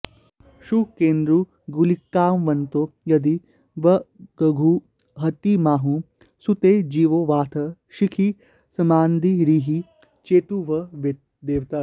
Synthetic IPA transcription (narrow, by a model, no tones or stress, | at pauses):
ʃukeːnd̪ɾu | ɡulikːaːmʋɐnt̪ojɐd̪i | ʋɐɡɐɡʱu | ɦɐt̪imaːɦũ | sut̪eːd͡ʒiːʋoʋaːt̪ʰɐʃikʰi | sɐmaːnd̪iɾiːɦi | t͡ʃeːt̪uʋɐʋet̪ | d̪eːʋt̪a